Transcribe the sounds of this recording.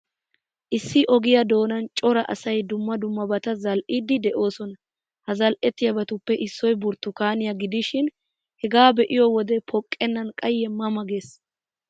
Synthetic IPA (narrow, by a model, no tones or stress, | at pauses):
ʔɪsːɪʔɔɡɪjɐd̪o̞ːnɐnt͡ʃʼɔɾɐʔɐ̰sɐjd̪ʊmːɐd̪ʊmːɐbɐt̪ɐzɐlʔid̪ɪd̪ɛʔo̞ːsɔnɐ | hɐzɐlʔɛt̪ːɪjɐbɐt̪ʊpːɛʔɪsːɔjbʊɾt̪ːʊkaːnɪjɐɡɪd̪ɪʃɪn | hɛɡaːbɛʔɪjɔwɔd̪ɛpʰɔkʼːɛnːɐnkʼɐjːɛmːɐmɐɡe̞ːs